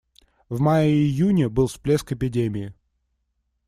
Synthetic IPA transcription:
vmajəɪjunʲəbɨlˠsplʲeskɪpʲɪdʲemʲɪɪ

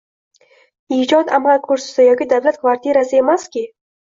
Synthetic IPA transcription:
id͡ʒɒt̪amalkʰɵɾsɪ̥sɪjɒkʲid̪avlat̪̚kvaɾt̪iɾasɪe̞maskʲɪ

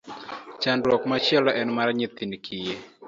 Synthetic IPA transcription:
t͡ʃandwɔkmat͡ʃɛlɔʔɛnmaɾɲit̪inkʰije

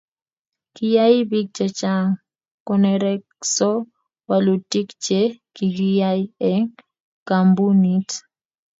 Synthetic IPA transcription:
kijaibik̚t͡ʃɛt͡ʃaŋ | kɔnɛɾɛksɔ | walutikt͡ʃɛkiɡijaiɛŋ | kambunit

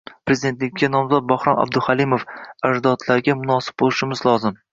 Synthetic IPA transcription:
pɾezid̪e̞nt̪lɪk̚ʲʰːanɒmzɒt̪̚bahɾɒna̰b̚d̪ʊhalɪmofaʒd̪ɒt̪laɾɡʲamʊnɒsɪ̥b̚bolˠɪʃɪmɪzlˠɒzɪm

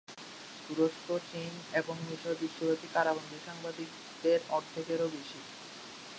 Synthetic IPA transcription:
t̪uɾoʃkot͡ɕin | eboŋmiʃobiʃːobot̪ikaɾabond̪ʱiʃaŋbad̪ik̚ | d̪eɾɔɾt̪ʰekeɾobiʃi

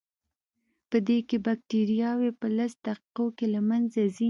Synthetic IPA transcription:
pəd̪ekebak̚ʈiɾjɑwepəlasd̪̥aqiqokelamanzazi

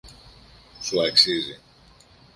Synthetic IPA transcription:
suaksizḭ

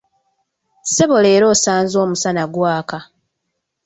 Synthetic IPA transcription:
se̞βo̞le̞ːɾo̞ːsaːnzo̞ːmusanaɡwaːka

